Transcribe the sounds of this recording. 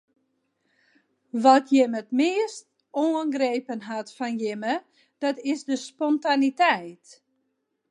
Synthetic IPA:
ʋɔtʰjɪmətmɪəst̚ | oəŋɡreːpənɦatfɔnjɪmə | d̥ɔtɪzdəspɔntanitɛjt

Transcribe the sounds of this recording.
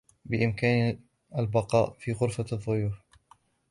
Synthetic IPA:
bɪʔɪmkaːn | albɑqɑ̰ːʔfiːɣʊɾfaðˤːʊjuːf

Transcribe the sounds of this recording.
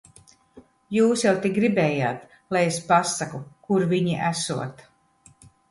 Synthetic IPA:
juːsjawt̪ʲiɡɾibɛːja̰ːt̪ | lˠajespasakukuɾviɲiʔæsuɔt̪

